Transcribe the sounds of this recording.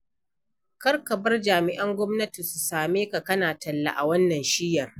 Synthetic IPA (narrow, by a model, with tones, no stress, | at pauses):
kɐ˦rkɐ˨bɐ˦rd͡ʒaː˨mɪ˨ʔɐ˦ŋɡʷɔ˦mnɐ˦ti˨su˨saː˨meː˦ka˨kɐ˦naː˨tɐ˨lːa̰˦ʔa̰˨wɐ˦nːɐ˨nʃɪ˦jːɐ˨r